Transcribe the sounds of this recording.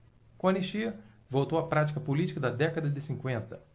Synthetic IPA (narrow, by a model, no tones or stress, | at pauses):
kõɐniʃiɐ | vowt̪owɐpɾat͡ʃi̥kɐpolit͡ʃi̥kɐd̪ɐd̪ɛkɐd̪ɐd̪ɪsĩŋkwẽnt̪ɐ